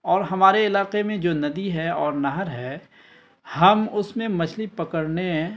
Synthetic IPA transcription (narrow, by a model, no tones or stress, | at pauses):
ɔːɾɦɐmaːɾeɪlaːqemẽd͡ʒoːnɐd̪iɦɛɔːɾnɐɦəɾɦɛ | hɐmʊsmẽmɐt͡ʃʰlipɐkəɾneɦ